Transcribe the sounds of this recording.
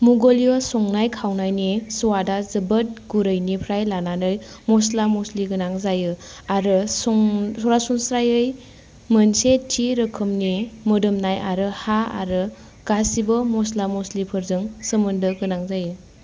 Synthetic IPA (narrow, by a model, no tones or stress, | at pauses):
muɡoliɔsɔŋnajkʰawnajnisɔwadazɯbɯt̚ɡuɾɯjnipʰɾajlananɯj | mɔslamɔsliɡɯnaŋzajɯ | aɾɯsɔŋsɔɾasuŋsɾajɯj | mɯnsetʰiɾɯkʰɯmnimɯdɯmnajʔaɾɯhaa̰ɾɯ | ɡ̥asibɯmɔslamɔslipʰɯɾzɯŋsɯmɯndɯɡɯnaŋzajɯ